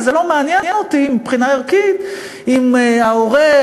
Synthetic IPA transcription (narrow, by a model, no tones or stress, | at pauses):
zelo̞meanjɛjnotiimipχinaiʁkit̪ | imaoʁe